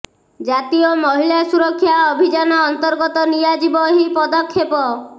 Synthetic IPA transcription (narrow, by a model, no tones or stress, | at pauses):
d͡ʒat̪iomɔɦiljasuɾɔkʰːjaɔbʱid͡ʒanɔːnt̪ɔɾɡɔt̪ɔnijad͡ʒibɔɦipɔd̪ɔkʰːepɔ